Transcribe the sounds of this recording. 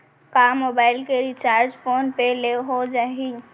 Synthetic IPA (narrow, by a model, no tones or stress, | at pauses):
kamobaːɪlkeɾit͡ʃaːɾd͡ʒpʰoːnpeleɦod͡ʒaɦi